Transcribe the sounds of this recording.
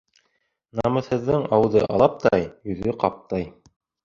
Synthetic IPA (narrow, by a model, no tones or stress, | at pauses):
nɑmɤ̆θhɤ̆ðːɤŋɑwɤðɤʔɑ̰lˠɑp̚t̪ɑjɵ̆ðɵqɑp̚t̪ɤj